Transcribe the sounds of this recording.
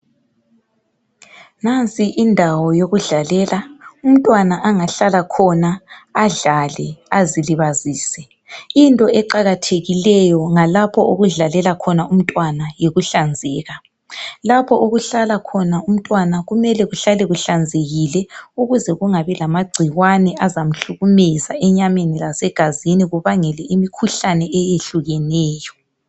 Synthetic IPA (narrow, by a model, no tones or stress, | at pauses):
nant͡sʼiʔindʱawɔjoɣuɮalɛːlaum̩tʼwanaʔaŋaɬalakʰɔnaaɮalɛaziliβaziːsɛ | intʼɔɛǃaɣatʰeɣilɛjɔŋalapʰɔʔoɣuɮalɛlakʰɔnaum̩tʼwanajeɣuɬand͡zʱɛːɣa | lapʰɔʔoɣuɬalakʰɔnaum̩tʼwanaɣumɛlɛɣuɬalɛɣuɬand͡zʱeɣilɛuɣuzɛɣuŋaβɛlamaɡ͡ǀʱiɣwanɛʔazam̩ɬuɣumizaɛɲamenilasɛɡ̥ʱaziniɣuβaŋɛlɛimikʰuɬanɛʔɛjeɬuɣɛnɛːjɔ